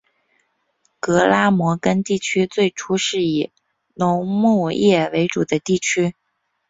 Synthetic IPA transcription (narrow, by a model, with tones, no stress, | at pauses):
kɤ˧˥la˥mwɔ˧˥kə˥nt̪i˥˩t͡ɕʰy˥t͡swe˥˩ɪʈ͡ʂʰu˥ʂɻ̩˥˩i˨˩ | nʊ˧˥ŋmu˥˧jɛ˥˩we˧˥ɪʈ͡ʂu˨˩d̪ə˦t̪i˥˩t͡ɕʰy˥